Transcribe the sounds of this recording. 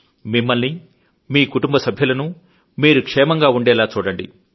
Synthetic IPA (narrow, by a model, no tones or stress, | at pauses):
mimːɐlni | miːkuʈumbɐsɐbʱjɐlɐnu | miːɾukʂɛːmɐŋɡaːuɳɖɛːlaːt͡ʃuːɽɐɳɖḭ